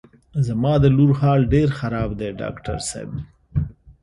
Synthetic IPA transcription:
zamɑd̪əluɾhɑlɖeɾxaɾɑːbd̪eɖɑ̰ːkʈa̰ɾsḛb̚

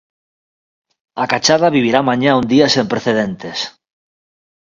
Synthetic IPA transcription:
akat͡ʃaðaβ̞iβ̞iɾamãɲaũnd̪iasempɾeθeðent̪es

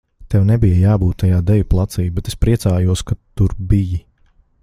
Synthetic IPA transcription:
t̪ɛwnɛbijəjaːbuːt̪ːajaːd̪ɛvʲuplˠat̪siːbet̪espɾiɛsaːjuɔskat̪ːuɾbiji

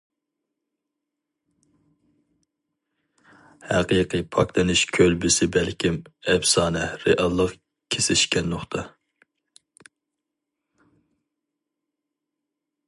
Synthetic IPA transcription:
hæqiːqʰɨpʰɑkt̪ɨnɪʃkʲʰølbɪsɪbɛlkʲʰimɛbsɑːnɛɾeʔɑlˠːəq | kʲʰesɪʃkʲɛnːoχt̪ʰɑ

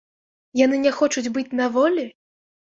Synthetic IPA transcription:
janɨnʲɛxɔt͡ʂud͡zʲbɨt͡sʲnavɔlʲi

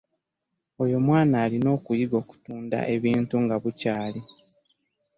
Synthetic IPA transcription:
ojo̞mwaːnaːlino̞ːkujiɡo̞ːku̥tuːnda̰ʔe̞βiːntuŋɡaβucaːli

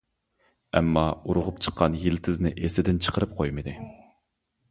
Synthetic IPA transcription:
ɛmːɑuɾʊʁʊpt͡ʃʰə̥qːɑnjilt̪ʰɪznɪʔesɪd̪ɪnt͡ʃʰə̥qʰəɾɨp̚qʰojmɨd̪ɨ

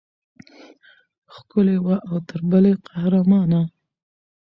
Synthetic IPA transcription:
xkʊlewaʔawt̪əɾbəleqahɾamɑna

